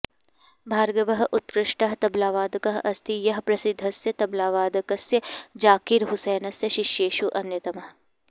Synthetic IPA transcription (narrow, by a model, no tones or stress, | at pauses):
bʱaːɾɡɐʋɐɦʔut̪kɾɪʂʈɐɦt̪ɐblaːʋaːd̪ɐkɐɦʔɐst̪ijɐɦpɾɐsɪd̪ʱːɐsjɐt̪ɐblaːʋaːd̪ɐkɐsjɐd͡ʒaːkiɾɦʊseːnɐsjɐʃiʃjeːʃuʔɐnjɐt̪ɐmɐɦ